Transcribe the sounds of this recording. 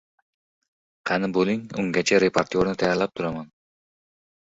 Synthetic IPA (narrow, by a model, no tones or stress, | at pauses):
qʰanɪboliŋʊ̰ŋɡʲat͡ʃʰaɾepʰaɾt̪ioɾnɪt̪ʰajaɾlap̚t̪ʰʊɾaman